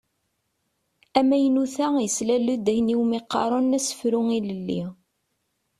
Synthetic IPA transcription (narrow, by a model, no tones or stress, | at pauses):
æmæjnuθæjəslælːud̪æçniwmiqːɑ̰ɾˤonːæsə̥fɾʊŋiləlːi